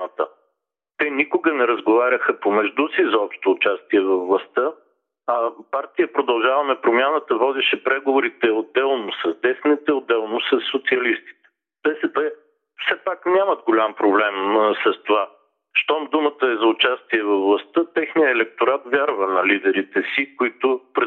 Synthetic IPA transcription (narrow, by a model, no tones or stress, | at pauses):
t̪ə | t̪ɛnikoɡənɛɾɐzɡovaɾʲəxəpomɛʒd̪usizɔpʃt̪oːt͡ʃast̪iɛvɐvlˠɐst̪ə | ɐpaɾt̪ijəpɾod̪ɐlˠʒavɐmɛpɾomʲjanət̪əvɔd̪ɛʃɛpɾɛɡovoɾit̪ɛod̪ɛlˠnosɐzd̪ɛsnit̪ɛod̪ːɛlˠnʊsɐsːot̪siɐlist̪i̥t̪ɛ̥ | b̥ɛsɛpɛ | fsɛpaknʲaməd̪̚ɡolʲampɾoblɛmsɐst̪ova | ʃt̪ɔmd̪umət̪əɛzɐʊt͡ʃast̪iɛvɐvlˠɐst̪ət̪ɛxnijəːlɛk̚t̪oɾat̪vʲjaɾvənɐlid̪ɛɾit̪ɛsikʊit̪ʊpɾ